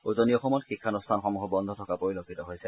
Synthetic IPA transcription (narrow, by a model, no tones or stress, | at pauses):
ozoniɔxɔmɔtxikʰːanustʰanxɔmuxɔbɔnd̪ʱɔtʰɔkapoɹilokʰːitɔɦojsɛ